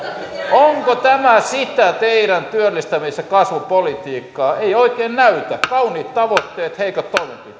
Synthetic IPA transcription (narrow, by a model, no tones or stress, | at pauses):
oŋkot̪æmæsit̪æt̪eiɾænt̪yølːist̪æmiˑsːækɑsʋupolit̪iːkːɑːeioikeːnnæyt̪ækɑuniːt̪t̪ɑʋot̪ːeːt̪heikɑt̪toimempit̪ˑː